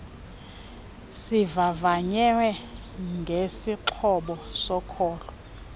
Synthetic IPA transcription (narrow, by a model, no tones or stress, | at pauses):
sivavaɲɛwɛ | ŋɡʱesiǁʰɔɓɔsɔkʰɔːlɔ